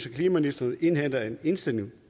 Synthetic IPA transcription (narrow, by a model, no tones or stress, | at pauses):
sɐkʰliːmæmnisd̥ɐn̩ˠe̝nhæn̰dɐene̝nsd̥ene